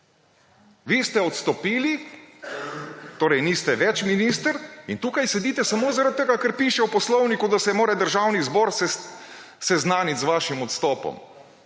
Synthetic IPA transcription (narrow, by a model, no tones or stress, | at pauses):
ʋist̪ɛɔt̪st̪ɔpiːli | t̪oːɾɛjniːst̪ɛʋɛt͡ʃminist̪əɾint̪uːkajsɛd̪iːt̪ɛsamoːzaɾat̪̚ːeɡakəɾpiʃɛupɔslɔwnikud̪asɛmoːɾɛd̪əɾʒawnizbɔːɾs | sɛznaːnit̪zʋaːʃimɔt̪st̪ɔːpɔ̰m